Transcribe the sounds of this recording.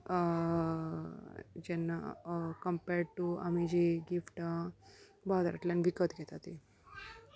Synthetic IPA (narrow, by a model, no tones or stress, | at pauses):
d͡ʑɛnːa̰kəmpɛɾɖ̚ʈua̰mid͡ʑiɡifʈa | bad̪ɾa̰t̪lanʋikət̪ɡʱɛt̪at̪i